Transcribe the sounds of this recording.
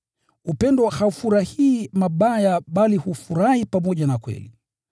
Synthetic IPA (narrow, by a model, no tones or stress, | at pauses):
upɛndɔhaufuɾahiːmaɓajaɓalihufuɾahipamɔʄanakwɛ̰lḭ